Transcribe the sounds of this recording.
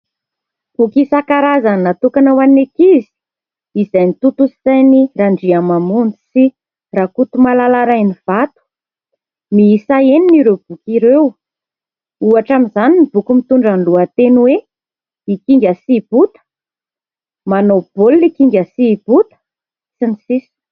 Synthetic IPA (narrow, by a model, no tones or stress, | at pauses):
b̥ukisakaɾazanat̪ukanawanekizi̥ | izajnit̪ut̪usi̥t̪ajniɾaɳɖ͡ʐiamamund͡zi̥si | rakut̪umalalaɾajniv̥at̪u̥ | miisaeniniɾewb̥ukiɾew | uaʈ͡ʂaminzaninib̥ukumit̪uɳɖ͡ʐanluat̪enwe | ikiŋɡʲəsib̥ut̪ə̥ | manob̥ollikiŋɡʲəsib̥ut̪ə̥ | isinisisi̥